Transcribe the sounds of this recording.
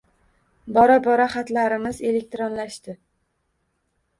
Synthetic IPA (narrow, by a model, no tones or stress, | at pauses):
bɒɾabɒɾaχat̪laɾɪmɪze̞le̞k̚ʲt̪ɾonlaʃt̪ɪ